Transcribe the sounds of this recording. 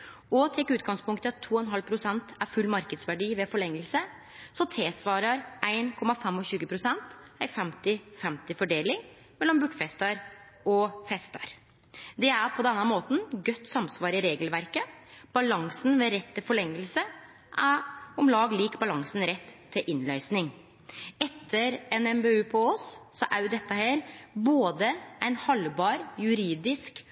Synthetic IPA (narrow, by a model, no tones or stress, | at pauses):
ɔt̪ʰɛkːʉːt̪ɡɑŋspʊŋkt̪ət̪ʰːuːɔɛnɦɑlpʰɾʊsɛnt̪æɾfʉlːmɑɾkəd̪sʋæɖiːʋɛfɔɭɛŋːəlsə | sɔt̪ʰeːsʋɑːɾɑɾʔæɪnkʰɔmɑfɛmɔɕʉːɡəpʰɾʊsɛnt̪æɪfɛmt̪ɪfɛmt̪ɪfɔɖeːlɪŋ | mɛlːɔmbʉʈfɛst̪ɑɾ | ɔfɛst̪ɑɾ | d̪ɛæɾpʰɔd̪ɛnːɑmoːt̪n̩ɡœt̪ːsɑmsʋɑːɾɪɾeːɡəlʋæɾkəb̥ɑlɑŋsn̩ʋeːɾɛt̪ʰːɪlfɔɭɛŋːəlsə | ʔæɔmlɑːɡliːkbɑlɑŋsn̩ɾɛt̪ʰːɪʔɪnlœʏsnɪŋ | ɛt̪ʰːəɾɛnɛmbeʉːpʰooːssɔʔæɾjʊd̪ɛt̪ːəhæːɾboːd̪əæɪnhɑlbɑːɾjʉɾiːd̪ɪsk